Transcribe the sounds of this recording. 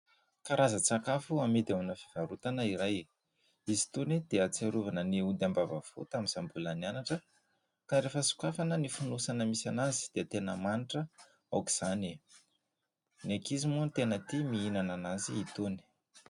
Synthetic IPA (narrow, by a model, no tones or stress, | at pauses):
kaɾazat͡sakafuamid̪amunəfi̥v̥aɾut̪anəiɾaj | izi̥t̪unid̪̥eat͡seɾuvanəniud̪ambava̰fṵt̪amiz̥ambulanianaʈ͡ʂə | kaɾefəsu̥kafanənifunusanəmisanazi̥d̪̥et̪enəmaniʈ͡ʂə | a̰wki̥z̥ani | nekizimunit̪enət̪imiinananaziit̪uni̥